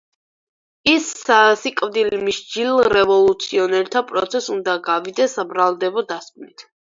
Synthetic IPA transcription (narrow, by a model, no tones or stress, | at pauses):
isasikʼvd̪ilmiʃd͡ʒilˠɾɛvɔlˠut̪sʰiɔnɛɾt̪ʰapʼɾɔ̰t̪sʰɛsund̪aɡavid̪ɛsːabɾalˠd̪ɛbɔd̪askʼnit̪ʰ